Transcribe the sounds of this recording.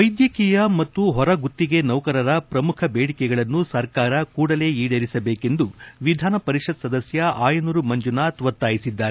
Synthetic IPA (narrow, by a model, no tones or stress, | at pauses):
ʋɐjd̪jɐkiːjɐmɐt̪ːuɦɔɾɐɡut̪ːiɡe̞nɐwkɐɾɐɾɐpɾɐmukʰɐbeːɽikɛɡɐɭɐnːusɐɾkaːɾɐkuːɽɐle̞ːiːɽɐɾisɐbeːke̞nd̪uʋid̪ʱaːnɐpɐɾiʂɐd̪sɐd̪ɐsjɐʔaːjɐnuɾumɐɲd͡ʒunat̪ʋɐt̪ːaːjisid̪ːaːɾe